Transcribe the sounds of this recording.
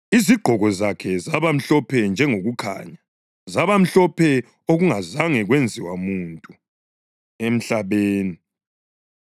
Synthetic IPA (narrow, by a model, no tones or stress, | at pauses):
iziɡ͡ǃʱɔɣɔzakʰɛzaβam̩ɬɔpʰɛnd͡ʒʱɛŋoɣukʰa̰ːɲa | zaβam̩ɬɔpʰɛ | oɣuŋazaŋɛɣwend͡zʱiwamuntʼu | em̩ɬaβeːni